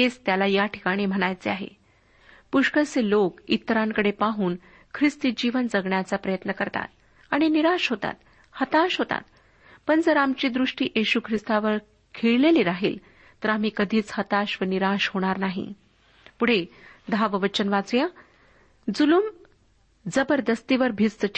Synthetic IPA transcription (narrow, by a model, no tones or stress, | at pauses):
ed͡zt̪jalajaʈʰi̥kaɽ̃iːm̤əɽ̃ajt͡seaɦḛ | puʂkəselokit̪ːɾaŋkəɽepaɦuːn | kʰɾist̪id͡ʑiʋənd͡zəɡɳjat͡sapɾəjət̪nəkəɾt̪a̰t̪̚ | aɽ̃iniɾaɕɦot̪a̰t̪ | hət̪aɕɦot̪a̰t̪ | pəɳd͡zəɾamt͡ɕiːd̪ɾuʂʈiːʔeɕukʰɾist̪aʋəɾ | kʰeɭleliɾaɦḭːl | t̪əɾam̤iːkəd̪ʱiːt͡shət̪aɕʋəniɾaɕhoɽ̃aɾnaɦḭ | puɽ̤ed̪ʱaʋəʋət͡ɕənʋat͡suja | d͡zulum | d͡zəbəɾd̪əst̪iʋəɾbʱit͡st͡səʈʰː